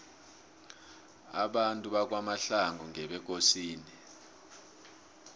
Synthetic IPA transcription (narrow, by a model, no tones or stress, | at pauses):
a̰ɓantʼuɓak̬ʼwamaɬaŋuŋʱɛɓɛk̬osiːni